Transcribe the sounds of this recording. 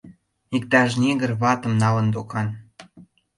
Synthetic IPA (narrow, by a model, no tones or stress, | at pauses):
ik̚t̪ɑʃnʲeɣərβɑt̪ə̆mnɑlə̆nd̪okɑn